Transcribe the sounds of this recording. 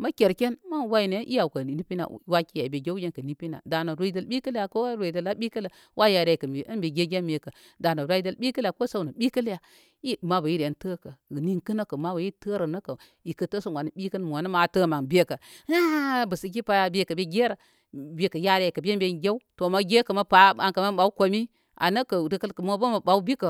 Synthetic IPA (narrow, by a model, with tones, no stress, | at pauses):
ma˦kʲe˨ɾke˦n˦ma˦wa˦i˦˨ne˨˦ʔḭ˦ja˨wkə˨ni˦pi˦na̰˨˦wa˦ki˦ja˨i˨be˨ɡe˦wd͡ʒe˦nkə˨ni˦pi˦na̰˨da˨no˨ɾa˦i˦də˦lɓi˦kə˦lja˨ko˦ɾe˨də˨la˦ɓi˦kə˦lə˨ | wʔa˦ja˨ɾa˦˨kə˨e˨ʔə˦nbe˨ɡe˦ɡʲe˦nme˨kə˨ | da˨no˨ɾa˦i˦də˦lɓi˦kla˨ko˦sa˦˨wnə˨ɓi˦kə˦lja˨ | i˦ma˦ba˨ji˦ɾe˨tə˦kə˨ni˦ŋkə˦nə˦kə˨ma˦ba˨ji˦tə˦ɾə˨nə˦kə˨ | i˨kə˦tə˦so˦wa˨n˨ɓi˦kə˦n˦m˨a˨n˦ma˨tə˦ma˨ŋbe˦kə˨a˦bə˨si˨ɡʲi˦pa˦ja˨be˦kə˨be˦ɡe˦ɾə˨ | be˨kə˨ja˦ɾa˦˨kə˨be˦m˦be˨nɡʲe˦u˦to˨ma˦ɡe˦kə˨ma˦pa˨a˨ŋkə˨ma˦ɓa˨u˦ko˨mi˦ | a̰˨nə˦kə˨ɾi˦kə˦lkə˨mo˦ba˦ma˨ba˨u˦bi˦kə˨